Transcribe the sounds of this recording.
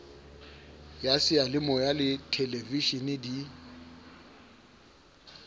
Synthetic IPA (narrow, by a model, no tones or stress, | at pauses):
jasɪalɪmɔjalɪtʰɛleviʃinɪdi